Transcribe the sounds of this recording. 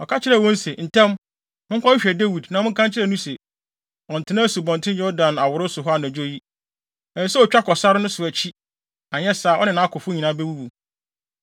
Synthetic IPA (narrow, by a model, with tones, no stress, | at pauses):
ɔ˨kʰa˦t͡ɕʰɪ˦ɾɛ˦˨wɔ̃˦n̩˦se˨n̩˨tʰɛ̃˦m | mʊ̃˦ŋ̩˦kʷʰã˦ɕᶣɛ˨de˦wi˨dnã˨mʊ̃˦kʰã˦nt͡ɕʰɪ˦ɾɛ˦˨nũ˦se˨ | ɔ̃˨n̩˨tʰɪ˦nã˦su˨bɔ̃˨ntʰɪ̃˦n˦ɛ˦ɔ˦dã˨na˨wʊ˨ɾʊ˦sʊ˨ɦɔ˦a˨nã˨d͡ʑo˦ji˦ | ɛ˨n˦sɛ˦ɔ˨t͡ɕᶣa˦kʰɔ˨sa˦ɾɪ˦nʊ̃˦sʊ˨æ˨t͡ɕʰi˦ | ã˨ɲ˦ɛ˦saː˨˦ɔ˦nɪ̃˨nã˦kʰʊ˨fʊ˦ɲĩ˨nã˦bɛ˦wu˦bu˨